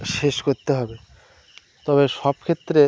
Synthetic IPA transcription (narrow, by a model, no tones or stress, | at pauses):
ʃeʃkoɾt̪eɦɔbe | t̪ɔβeʃɔb̚kʰet̪ːɾe